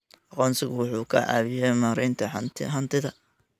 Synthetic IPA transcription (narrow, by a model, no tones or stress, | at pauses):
ʔɑqɔːnsɪɣʊwʊħuːkʰɐ̰ʔa̰ːβɪjɛmaːɾɪnt̪ʰɐħɐt̪ʰɪ̰ɦɐnt̪ʰɪðɐ